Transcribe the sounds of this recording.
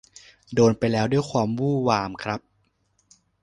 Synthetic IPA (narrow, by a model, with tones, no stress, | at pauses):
doː˧npa˧jlɛː˦˥wdu˥˩əjkʰwaː˧mwuː˥˩waː˧mkʰɾa˦˥p̚